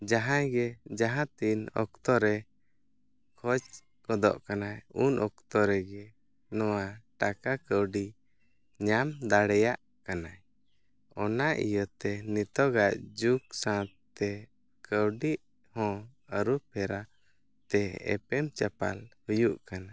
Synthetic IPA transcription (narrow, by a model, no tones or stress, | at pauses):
d͡ʒaɦãjɡɛd͡ʒaɦãt̪inɔ̰k̚t̪ɔɾɛ | kʰɔt͡ʃ | kɔd̪ɔ̰ʔkanajunʔɔk̚t̪ɔɾɛɡɛ | nɔwaʈakakəwɖi | ɲamd̪aɽɛjaʔ | kanaj | ɔnaʔḭjɔt̪ɛnit̪ɔɡaʔd͡ʒuksãt̪ | ɛ | kəwɖiʔ | hɔ̃əɾupʰɛɾa | t̪ɛɛ̰pɛmt͡ʃapa̰lhujuʔkana